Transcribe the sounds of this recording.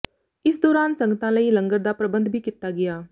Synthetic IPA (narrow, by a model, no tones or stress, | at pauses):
ɪsd̪oːɾaːnsə̃ŋɡt̪ãːləiːləŋɡəɾd̪aːpɾəbənd̪bʱiːkit̪aːɡɪjaː